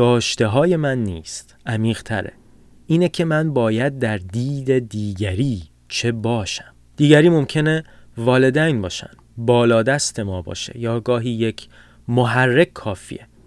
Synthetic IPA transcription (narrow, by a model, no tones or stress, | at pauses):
ɡɒːʃt̪e̞ɦɒːje̞mænːiːst̪ʔæmiːɣ̥t̪ʰæ̰ɾḛ | ʔiːnecʰe̞mænbɒːjæd̪̚ːæɾd̪iːd̪ed̪iːɟæɾiː | t͡ʃʰe̞bɒːʃæm | d̪̥iːɟæɾiːmo̞mcʰe̞nevɒːle̞d̪æjnbɒːʃæ̰nd̪bɒːlɒːd̪æst̪ʰe̞mɒːbɒ̰ːʃḛjɒːɡɒːɦiːje̞cʰ | moɦærːe̞kʰkʰːɒːfḭːe